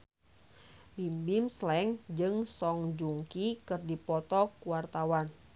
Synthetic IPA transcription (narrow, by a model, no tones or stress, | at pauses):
bimbimslɛŋd͡ʒɨŋsɔŋd͡ʒuŋkikɨrdipɔt̪ɔkuwart̪awan